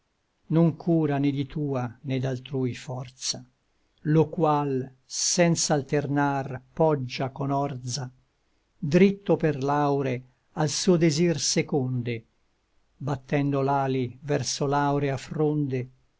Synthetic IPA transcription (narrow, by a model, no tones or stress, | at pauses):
noŋkʰuːɾaned̪it̪uːaned̪ːalt̪ɾujfɔrt̪sa | lokwal | sɛnt̪saːlt̪ernarpɔd͡ʒːakonɔrd̪za | d̪ɾit̪ːoperlawɾe | alsuːod̪ezirsekond̪e | bat̪ːɛnd̪olaːlivɛrsolawɾeafɾond̪e